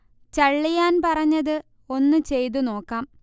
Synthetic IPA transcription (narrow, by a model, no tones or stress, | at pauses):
t͡ɕɐɭːijaːnpɐrɐɲːɐðɨ | o̞nːɨt͡ɕe̞jt̪̬uno̞ːkːaːm